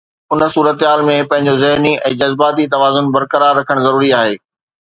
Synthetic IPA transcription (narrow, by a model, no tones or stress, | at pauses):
ʊn̆suːɾət̪ɦaːlmẽpɐ̃ɦɪ̃ɲd͡ʑozɐɦniʔɛ̃ːd͡ʑɐzbaːt̪it̪ɐʋaːzʊnbɐɾkəɾaːɾːɐkʰəɽ̃zɐɾuːɾiaːɦeː